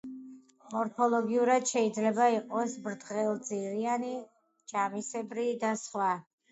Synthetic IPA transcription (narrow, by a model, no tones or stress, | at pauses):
mɔɾpʰɔlˠɔɡiuɾad̪̥ʃɛid̪zlɛbaiqʼɔsbɾd̪ʁɛlˠd̪ziɾiani | d͡ʒamisɛbɾid̪asχwa